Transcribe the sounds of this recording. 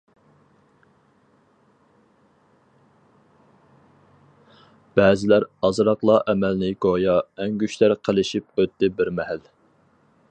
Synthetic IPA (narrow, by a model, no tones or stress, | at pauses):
b̥ɛːzɪlæɾɑzɾɑqlˠɑʔɛmælnɪɡojɑɛŋɡʲyʃlæɾqʰəlˠɪʃip̚øt̪ːɪbɪɾmɛɦæl